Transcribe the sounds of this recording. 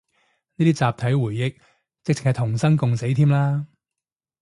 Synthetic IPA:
niː˥t̪ʰiː˥t͡saː˨p̚t̪ʰɐ˨˥jwuː˨˩jːɪ˨k̚ | t͡sɪ˨k̚t͡sɪ˨khɐ˨jt̪ʰʊ˨˩ŋsɐ˥nkʊ˨ŋse˨˥jt̪ʰiː˥mlaː˥

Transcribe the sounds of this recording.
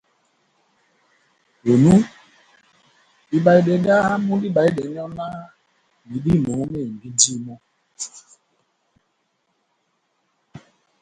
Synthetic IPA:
o˨nu˦ | i˦ba˨i˨de˨ɡa˦a˦mũ˦di˦ba˨i˦de˨˦ɲɔ˦na˦ | ni˨di˦˨mo˨ŋu˦me˦˨bi˦di˦mɔ˦

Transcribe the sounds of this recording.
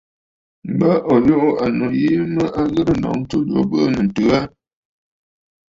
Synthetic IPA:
m̩˨bə˦ʔɔ˨jo˦ʔʊ˦a˨no˨ji˦mə˦ʔa˦ɣə˦ɾə˦nɔ̰˨ŋ˦tu˦lo̰˨˦bə˦nə˨n̩˨tɨ˨˦a˦

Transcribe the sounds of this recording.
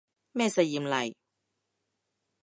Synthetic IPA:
mɛː˥˩sɐ˧jiː˨˩mlɐ˨˩j

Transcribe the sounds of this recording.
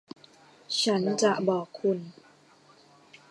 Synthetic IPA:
t͡ɕʰa˦˥nt͡ɕa˨˩ʔbɔː˨˩kʰːu˧n

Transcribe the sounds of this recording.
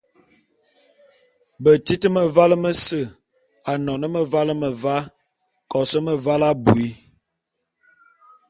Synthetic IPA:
bə˨ti˦tə˦mə˨va˦lə˦mə˦sə˦˨ | a˨nɔ˨nə˦mə˨va˦lə˦mə˨va˦ | kɔ˨sə˦mə˨va˦la˦bṵ˨i˦

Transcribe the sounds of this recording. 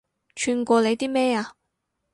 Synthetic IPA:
t͡ʃʰyː˧nkʷɔː˧le˨˧jt̪iː˥mɛː˥aː˧

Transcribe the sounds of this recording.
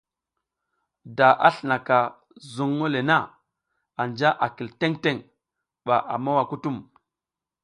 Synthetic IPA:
da˨ʔa˦ɬə˨na˨ka˨ | zu˦ŋːo˦le˨na˦˨ | a˨nd͡ʒa˦ʔa˨ki˨lte˦ŋte˦˨ŋ | ɓa˨ʔa̰˨ma˦wa˨ku˦tu˦˨m

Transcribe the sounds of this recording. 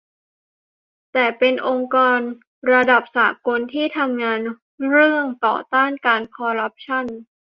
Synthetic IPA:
t̪ɛː˨˩pe˧nʔo˧ŋkɔː˧n | ɾa˧da˨˩p̚saː˩˦ko˧nt̪ʰiː˥˩t̪ʰa˧mŋaː˧n | ɾɯ˥˩əŋt̪ɔ̰ː˨˩t̪aː˥˩nkaː˧nkʰɔː˧ɾa˦˥p̚t͡ɕʰa˥˩n

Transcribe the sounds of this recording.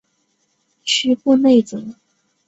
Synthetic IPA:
t͡ɕʰy˥pu˥˧ne˥˩ɪt͡sɤ˨˩˦

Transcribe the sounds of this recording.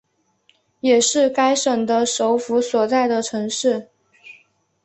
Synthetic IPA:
jɛ˨˩ʂɻ̩˥˩ka˥ɪʂə˨˩ŋd̪ə˧ʂo˧˥ʊfu˧˥swɔ˨˩t͡sa˥˩ɪd̪ə˩ʈ͡ʂʰɤ˧˥ŋʂɻ̩˥˩

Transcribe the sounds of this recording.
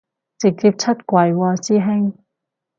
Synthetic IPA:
t͡sɪ˨k̚t͡siː˧p̚t͡sʰɐ˥t̚kʷɐ˨˩jwɔː˧siː˥ɦɪ˥ŋ

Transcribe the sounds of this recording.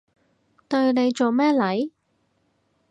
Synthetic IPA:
t̪ɵ˧ɥne˨˧jt͡ʃo˨wmɛː˥lɐ˨˥j

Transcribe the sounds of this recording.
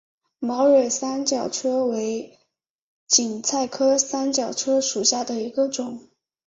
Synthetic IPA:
mɑ˧˥ʊɻe˨˩ɪsa˥nt͡ɕjɑ˨˩ʊʈ͡ʂʰɤ˥we˧˥ɪ | t͡ɕi˨˩ŋt͡sʰa˥˩ɪkʰɤ˥sa˥nt͡ɕjɑ˨˩ʊʈ͡ʂʰɤ˥ʂu˨˩ɕja˥˩d̪ə˩i˧˥ɡə˧ʈ͡ʂʊ˨˩˦ŋ

